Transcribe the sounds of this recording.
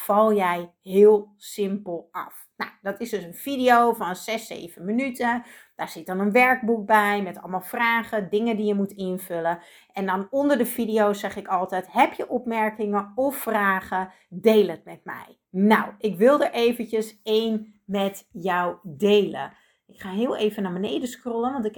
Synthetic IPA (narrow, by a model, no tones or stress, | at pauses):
fɑlˠjɛj | ɦɪːlˠ | sɪmpəlˠɑ̰f | na̰wdɔtɪsdøsənvidijowvɔnz̥ɛsḛːv̥ənmənytəd̥aːɹz̥ɪt̚dɔnənʋɛɹɡ̚buk̚bɛjmɛtɑ̰lˠmɑlˠfraːχədɪŋədijəmutʰɪnvølə | ʔɛndɔnondərdəfidioːsɛχɪkɔlˠtɛtɦɛpjəʔɔpmɛɹkɪŋəɔfːraːɣə | deːlˠət̚mɛt̚mɛ̰j | nawʔɪkʋɪlˠdəɹʔeːvəncəseːn | mɛtjɔwdeːlə̰ | ɪkχaːɦɪəlˠeːvənabənejdəskrolˠənʋɑntɪk